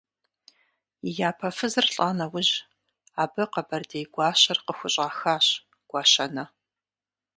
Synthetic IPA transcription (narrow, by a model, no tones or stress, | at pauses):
ijaːpʰɐfɨzɨrɬʼaːnɐwʊʑ | aːbɨqɐbɐrdejɡʷɑːɕɐrqəxʷʊɕʼaːxaːɕ | ɡ̥ʷɑːɕɐnɐ